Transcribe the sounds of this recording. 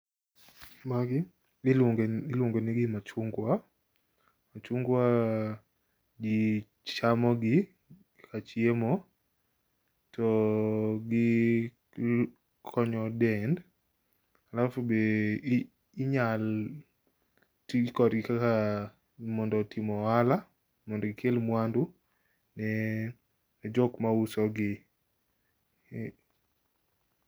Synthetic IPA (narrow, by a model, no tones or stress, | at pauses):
maɡɪ | ŋɪlwuŋɡenɪɡɪmat͡ʃuŋɡwa | mat͡ʃuŋɡwa | ɡi | t͡ʃamɔɡɪ | kat͡ʃiemɔ | tɔ | ɡɪ | kʰɔɲɔdɛnd | alafobe | ɲal | tikɔdɡɪkaka | mɔndɔtʰimɔala | mɔndɔɡɪkʰelmwandu | nɛ | d͡ʒɔkmausɔɡɪ